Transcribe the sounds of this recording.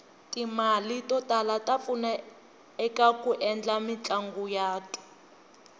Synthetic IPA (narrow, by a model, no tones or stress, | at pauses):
timalitɔtʼalatʼafuna | ɛkakuʔɛnd͡ɮamit͡ɬʼaŋɡujaːtʼu̥